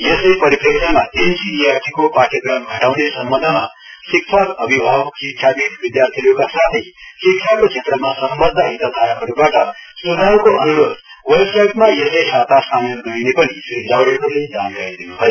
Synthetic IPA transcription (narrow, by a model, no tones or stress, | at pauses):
jʌsepʌɾipʰeksamad̪ensinijat̪ʰikopaʈjʌɡɾʌmɡʱʌʈawnesʌmbʌnd̪ʱma | sikt͡ʃʰalʌbʱibʱabsikʰabiʋid̪jaɾt̪ʰiljokasat̪ʰisikt͡ʃʰakot͡ʃʰet̪ɾəmasəmbʌd̪ʱːaɦit̪ad̪ʱaɾaɦʌɾubaʈʌsunʱawkoʔʌnuɾod̪ʱ | wʌlɡsajʈmajʌsesat̪asʰamenoinepʌnisuid͡ʒawɾeɦoled͡zankaɾid̪inuɦəj